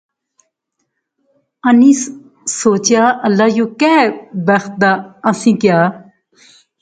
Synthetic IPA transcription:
əniːs | soːt͡ʃɪjaːʔəlːaːjoːkɛːbəxt̪̚d̪aːəsĩːkɪjaː

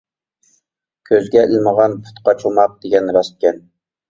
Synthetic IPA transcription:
kʲʰøzɡʲɛɪlməʁɑnpʰu̥t̪qɑt͡ʃʰulˠmɑq̚d̪̥eɡʲɛnɾɑst̪̚kʲɛn

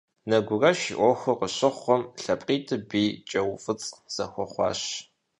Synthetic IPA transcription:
nɐɡʷʊrɐʃḭʔʷɔxʷʊqəɕɪχʷɔmɬɐpʼqʼiːtʰɨbiːt͡ʃʼɐwfɨt͡sʼz̥ɐxʷɔχʷɑ̰ːɕ

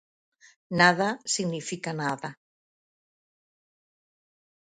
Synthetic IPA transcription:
naðasiɣnifikanaða

